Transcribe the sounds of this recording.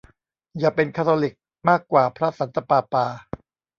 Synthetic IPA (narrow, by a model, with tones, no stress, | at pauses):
jaː˨˩pe˧nkʰa˦˥t̪ʰoː˧li˨˩k̚ | maː˥˩kːwaː˨˩pʰɾa˦˥sa˩˦nt̪a˧paː˧paː˧